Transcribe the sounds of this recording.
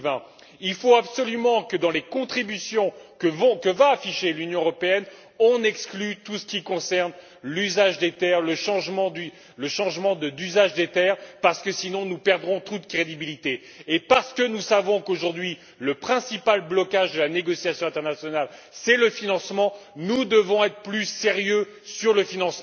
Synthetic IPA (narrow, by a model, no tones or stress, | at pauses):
vɛ̃ | ilfoabsɔlymɑ̃kəd̪ɑ̃lekɔ̃t̪χibysjɔ̃kəvɔ̃kəvaːfiʃelynjɔ̃øʁɔpeɛn | ɔ̃nɛksklyt̪usə̥kʲikɔ̃sɛʁn | lyzaʒd̪et̪ɛʁləʃɑ̃ʒmɑ̃d̪y | ləʃɑ̃ʒmɑ̃d̪əd̪yzaʒd̪et̪ɛːʁpaʁsə̥kəsinɔ̃nupɛʁd̪ʁɔ̃t̪ut̪əkχed̪ibilit̪eː | paʁsə̥kənusavɔ̃koʒuʁd̪ɥi | ləpχɛ̃sipalblɔkaʒd̪əlaneɡɔsjasjɔ̃ɛ̃t̪ɛʁnasjɔnal | sɛləfinɑ̃smɑ̃nud̪əvɔ̃ɛt̪χə̥plyseʁjø | syʁləfinɑ̃sm̃